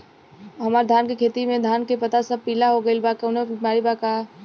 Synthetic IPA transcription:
ɦɐmaːɾd̪ʱaːnkekʰeːt̪imẽd̪ʱaːnkepɐt̪asəb̚piːlaɦoɡəilbakeʊnẽbimaːɾibaka

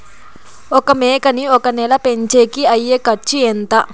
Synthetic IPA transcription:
ɔkɐmeːkɐniɔkɐnɛlɐpeɲt͡ʃeːkiɐjːeːkɐt͡ʃːient̪ɐ

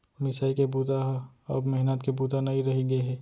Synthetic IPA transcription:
mɪsaːikebuːt̪aɦ | ɔbmɛɦɪnat̪kebuːt̪anaiɾɐɦiɡəeɦɛː

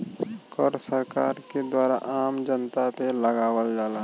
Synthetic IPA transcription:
kɔɾsəɾka̰ːɾked̪waːɾa̰ʔaːmd͡ʒənt̪apeləɡaːwəld͡ʒaːlaː

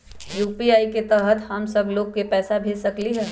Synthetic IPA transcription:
juːpiaːiket̪ɛɦət̪hɐmsəbloːɡkːepɛːsabʱeːsɐkliɦɛː

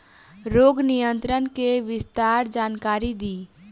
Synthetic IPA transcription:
ɾoːɡnijə̃nt̪ɾənkeʋɪst̪aːɾd͡ʒaːnkaːɾid̪iː

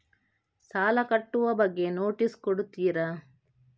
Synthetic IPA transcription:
saːlɐkɐʈːuʋɐbɐɡːe̞noːʈiskɔɽut̪ːiːɾɐ

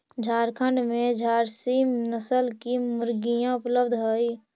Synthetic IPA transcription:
d͡ʒʱaːɾkʰəɳɖmẽd͡ʒʱaːɾsimnəsəlkimʊɾɡijãʊpləbd̪ʱɦoi

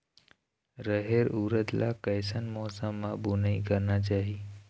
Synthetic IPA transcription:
ɾəɦeɾuːɾət̪la̰kəɪsənmɔːsəmːãbunəikəɾnat͡ʃaːɦi

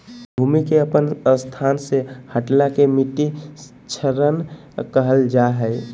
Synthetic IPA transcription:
bʱumikeəpənst̪ʰansehəʈlakemiʈi | t͡ʃʰəɾən | kəɦəld͡ʒaɦəɪ

